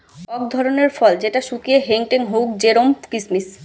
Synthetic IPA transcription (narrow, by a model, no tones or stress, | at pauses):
ɔk̚d̪ʱɔɾoneɾfɔld͡ʑeʈaʃukieɦeŋʈeŋɦowk̚d͡ʑeɾomkismis